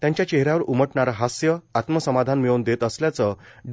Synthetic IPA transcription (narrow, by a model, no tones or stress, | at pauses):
t̪jãɲt͡ɕjat͡ɕeɦɾjaʋəɾuməʈɳaɾaɦasjəat̪məsəmad̪ʱanmeənd̪et̪əsljat͡səɖ